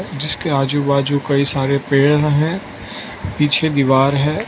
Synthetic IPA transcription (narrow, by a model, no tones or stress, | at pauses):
d͡ʒɪskeaːd͡ʒubaːd͡ʒukɐisaːɾepeːɽɦɛ̃ | piːt͡ʃʰed̪iʋaːɾɦɛː